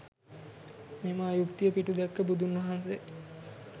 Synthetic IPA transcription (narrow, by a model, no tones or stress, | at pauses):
memaːjukt̪ijəpiʈud̪ækːəbud̪unːʋɐɦanse